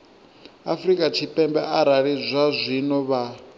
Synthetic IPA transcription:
afrikʼat͡ʃʰipʼɛmbɛʔaɾaɾizʷazʷinɔβa

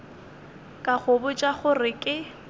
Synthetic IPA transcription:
kʼaχʰʊbʊt͡ʃʼaχʊrɪkʼɪ

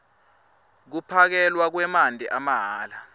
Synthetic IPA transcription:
k̬upʰak̬ɛlwak̬wɛmandʱɛʔamaɦaːla

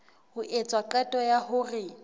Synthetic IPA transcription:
hʊʔet͡sʼwaǃɛtʼɔjahʊrɪ

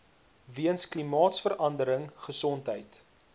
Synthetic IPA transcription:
viənsklimɑːtsfəɾʔɐndəɾəŋχəsɔntɦəjt

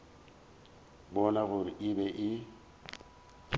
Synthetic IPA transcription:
bɔnaɣʊɾɪbɛʔɪ

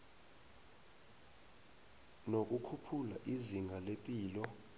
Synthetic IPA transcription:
nok̬ʼukʰupʰulaʔiziŋɡʱalepʼiːlɔ

